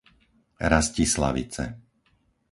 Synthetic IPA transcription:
ɾascisla̰ʋḭt͡sɛ̰

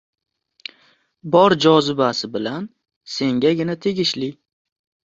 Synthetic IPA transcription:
bɒɾd͡ʒɒzɪbasɪbɪlan | se̞ŋɡʲaɡʲɪnat̪ʰe̞ɡʲɪʃlɪ

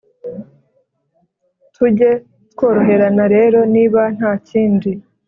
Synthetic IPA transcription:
tʰuɟe̞ | tko̞ːɾo̞ɦe̞ɾanaɾe̞ːɾo̞niːβan̥haːciːndi

